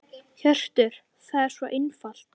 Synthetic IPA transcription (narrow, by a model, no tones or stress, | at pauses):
çœr̥t̪ɪɾ̥ | θaðɛɾ̥svɔʔɪnfal̥t̪